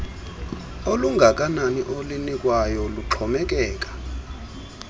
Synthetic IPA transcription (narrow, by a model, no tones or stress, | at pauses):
oluŋɡʱak̬ʼananiʔolinikʼwajɔluǃʰɔmɛk̬ʼɛːk̬ʼḁ